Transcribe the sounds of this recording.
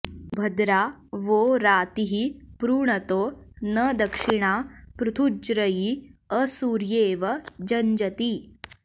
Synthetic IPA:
bʱɐd̪ɾaʋoːɾaːt̪iɦipɾuːɳɐt̪oːnəd̪ɐkʂiɳaːpɾut̪ʰud͡ʒɾəjiəsuːɾjeːʋɐd͡ʒɐɲd͡ʒɐt̪i

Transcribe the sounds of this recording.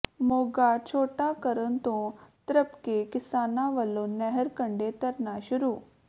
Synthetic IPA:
moːɡat͡ʃʰoːʈakəɾənt̪õt̪ɾəpkekɪsaːnãʋəlõnɛɦəɾkəɳɖet̪ɐɾnaʃʊɾuː

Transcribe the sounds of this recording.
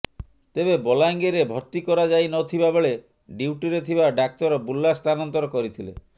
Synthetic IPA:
t̪ebebɔlaŋɡeɾebʱɔɾt̪ikɔɾad͡ʒajnɔt̪ʰibabeɭe | ɖiwʈiɾet̪ʰibaɖak̚t̪ɔɾɔbulːast̪anɔnt̪ɔɾɔkɔɾit̪ʰilḛ

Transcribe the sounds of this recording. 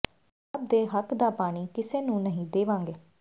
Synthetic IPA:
əp̚d̪eːɦəkd̪aːpaːɽ̃iːkɪseːnũːnəɦĩd̪eːʋãːŋɡeː

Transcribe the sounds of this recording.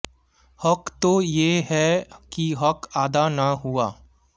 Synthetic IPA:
hɐkt̪ojeɦɛkiɦɐkaːd̪anɐɦuaː

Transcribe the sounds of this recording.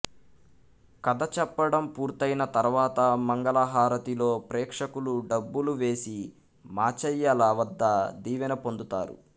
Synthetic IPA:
kɐd̪ɐt͡ʃɛpːɐɽɐmpuːɾt̪ɐjnɐt̪ɐɾʋaːt̪ɐmɐŋɡɐlaɦaːɾɐt̪ilo̞ːpɾɛːkʂɐkuluɖɐbːuluʋe̞ːsi | maːt͡ʃɐjːɐlɐʋɐd̪ːɐd̪iːʋɐnɐpo̞nd̪ut̪a̰ːɾṵ

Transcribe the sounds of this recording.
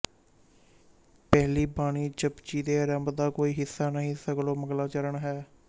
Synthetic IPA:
pɛːliːbaːɽiːt͡ʃəpt͡ʃiːd̪eːɾəmbd̪aːkoːiːɦɪsːaːnəɦĩːsːəɡəloːməɡlaːt͡ʃəɾəɳɦɛː

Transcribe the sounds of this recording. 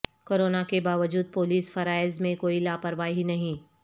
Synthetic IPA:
koːɾoːnakebaːʋəd͡ʒuːd̪̚poːliːsfɐɾaːɪzmẽkoːilaːpəɾʋaːɦinɐɦĩ

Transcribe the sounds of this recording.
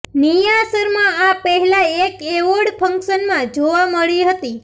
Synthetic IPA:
nijasəɾmãapəɦɛlaekeʋoɽpʰəŋkʃənmãd͡ʒoʋaməɭiɦət̪i

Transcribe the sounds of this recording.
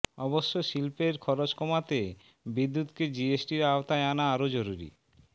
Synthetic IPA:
ɔboʃːoʃilpeɾkʰɔɾot͡ɕkɔmat̪e | bid̪ːut̪ked͡ʑiesʈiɾaot̪aeanaaɾod͡ʑoɾuɾḭ

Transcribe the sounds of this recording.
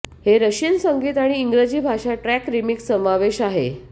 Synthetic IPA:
heɾəɕinsəŋɡiːt̪aɽ̃iːŋɡɾəd͡ʑiːbʱaʂaʈɾækɾimiksəmaʋeɕaɦḛ

